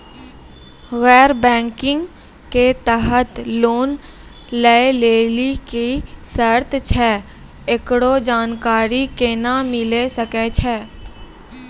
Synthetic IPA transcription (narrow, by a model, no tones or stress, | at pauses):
ɣɛːɾbɛ̃ːŋkɪ̃ŋɡ | ket̪əɦət̪loːn | ləeleːlikisəɾt̪t͡ʃʰɛː | ɪkɽod͡ʒaːnkaːɾikenamɪlesəket͡ʃʰɛː